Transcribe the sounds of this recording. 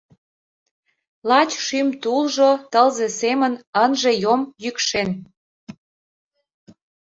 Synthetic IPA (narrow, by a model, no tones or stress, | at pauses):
lɑt͡ɕʃymt̪ulʒot̪əlzesemənənʒe̽jomjykʃen